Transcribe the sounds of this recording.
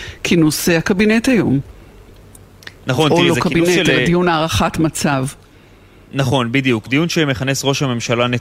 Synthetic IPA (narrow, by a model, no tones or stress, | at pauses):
kʰinuseakabinetajom | naχonokabineladijunaːʁaχatmat͡sav | naχo̞nbid̪ijukd̪ijunʃemeχanesʁo̞ʃhame̞mʃalane